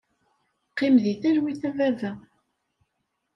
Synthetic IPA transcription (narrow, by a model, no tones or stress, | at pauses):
qːimðiθæɾwiθævævæ